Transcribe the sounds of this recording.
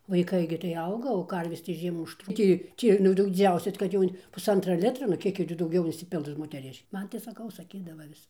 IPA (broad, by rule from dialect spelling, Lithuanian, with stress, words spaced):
ʋɐɪˈkɐɪ ɡʲɪ tɐɪ ˈɐʊɡɐ oː ˈkɐrʲʋʲeːs tɐɪ ˈʒʲiɛmuː ʊʃˈtruː ˈtʲiː ˈtʲiː nʊ ˈdɐʊ dʲɪˈd͡zʲɛʊsʲɛs kɐt ˈjɛʊ pʊˈsɐntrɐ ˈlʲɪtrɐ nʊ ˈkʲiɛk jɪ tʲɪ dɐʊˈɡʲɛʊ ɪnʲsʲɪˈpʲɪlˠs moːtʲɛˈrʲɪʃʲ ˈmɐn tɐɪ sɐˈkɐʊ sɐˈkʲiːdɐʋɐ ˈʋʲɪs